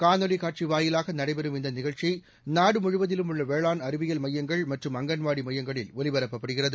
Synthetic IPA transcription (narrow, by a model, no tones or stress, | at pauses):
kaːnɔlikaːʈ̚t͡ʃiʋaːjɪlaːɣɐnɐɽɐɪbɛɾɯmɪnd̪ɐnɪɣɐɻt͡ʃi | naːɽɯmʊɻʊʋɐðɪlɯmʊɭːɐʋeːɭaːnɐɾɯʋɪjɐlmɐjːɐŋɡɐɭmɐʈrɯmɐŋɡɐnʋaːɽimɐjːɐŋɡɐɭɪlɔlɪʋɐɾɐpːɐpːɐɽɯɣɪrɐðɯ